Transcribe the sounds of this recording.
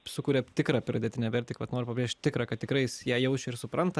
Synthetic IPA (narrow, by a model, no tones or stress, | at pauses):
sʊkuːɾʲɛt̪ʲɪkɾɑːpʲɾɐd̪ʲet̪ʲɪnʲɛʋʲɛɾʲt̪ʲɪkʋɐt̪noːɾpɐbɾʲeːʃʲtʲt̪ʲɪkɾɑkɐt̪t̪ʲɪkɾɐɪsjæːjɛʊʃʲɪɾsʊpɾɐnt̪ɐ